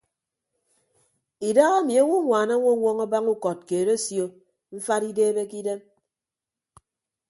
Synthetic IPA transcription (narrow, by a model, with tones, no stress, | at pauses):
i˨da˦ɣa˦mi˨a˦ŋʷu˦ŋʷaː˨na˦ŋʷo˦ŋʷɔ˦ŋa˦ba˦ŋu˦kɔ˨t̚keː˨ɾe˦sjo˦ | ɱ̩˦fa˦ɾi˦deː˦be˦ki˦de˦m